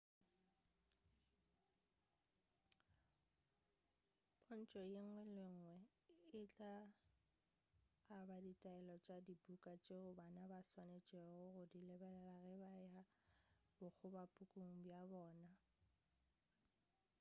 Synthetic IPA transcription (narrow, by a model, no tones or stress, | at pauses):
ʊn̩t͡ʃʼɔjeŋ̩wɛlɪŋ̩wɛ | ɪt͡ɬʼa | baditʼaɛlɔt͡ʃʼadibukʼat͡ʃʼeʊbanabaswanet͡ʃʼeʊɣʊdilɛbɛlɛlaɣɛbaja | bʊk͡xʰʊbapʼukʼuŋ̩bjabɔːna